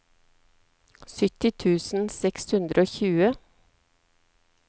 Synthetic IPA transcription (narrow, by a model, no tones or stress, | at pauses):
sʏt̪ɪt̪ʰʉːsn̩sɛkshʉnd̪ɾʔəoːçʉːə